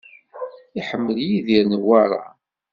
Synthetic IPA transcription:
iħəmːəljiðiɾnwaɾˤa̰

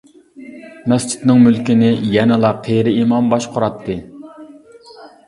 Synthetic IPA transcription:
nɛst͡ʃʰi̥t̪nɨŋmylkʲinɪjɛnɨlˠɑqʰːejɾɪimɑmbɑʃqʰʊɾɑt̪ʰːɨ

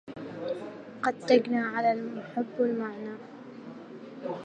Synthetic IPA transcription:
qɑd̪t̪aɡnaːʕalalmʊħɪbːalmaʕnaː

